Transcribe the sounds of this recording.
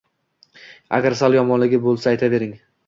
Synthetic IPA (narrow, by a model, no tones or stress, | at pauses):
a̰ɡʲaɾsalˠjɒmɒnlɪɡʲɪbolˠsaːjt̪ʰave̞ɾɪŋ